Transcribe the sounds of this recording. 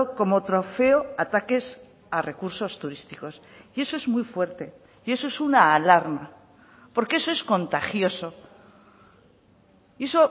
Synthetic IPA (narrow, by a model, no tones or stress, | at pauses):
oko̞mo̞t̪ɾo̞fe̞o̞at̪ake̞s | are̞kuɾso̞st̪uɾist̪iko̞s | ie̞so̞e̞zmwijfwe̞ɾt̪e̞ | ie̞so̞esunaːlaɾma | po̞ɾkee̞so̞e̞sko̞nt̪axjo̞so̞ | ie̞so̞